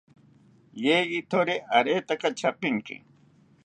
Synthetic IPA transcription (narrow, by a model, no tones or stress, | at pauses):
jeːit̪ʰoɾeʔɐɾeːt̪ɐkɐt͡ɕʰɐpiŋkḭ